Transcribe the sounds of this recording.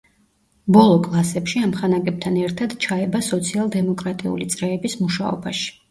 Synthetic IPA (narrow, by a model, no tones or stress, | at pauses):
bɔlˠɔkʼlˠasɛpʃiamχanaɡɛb̚t̪ʰanɛɾt̪ʰad̪t͡ʃʰaɛbasɔt̪sʰialˠd̪ɛmɔkʼɾat̪ʼḭṵlit̪sʼɾɛːbismuʃaɔ̰baʃi̥